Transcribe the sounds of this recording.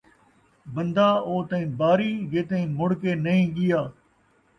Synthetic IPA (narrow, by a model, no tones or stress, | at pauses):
bənd̪aːoːt̪ɐĩːbaːɾiːjeːt̪ẽĩːmʊɽkeːnəĩːɠɪjaː